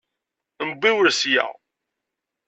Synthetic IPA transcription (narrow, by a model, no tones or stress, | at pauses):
mbiwəɾsjæ̰ʁ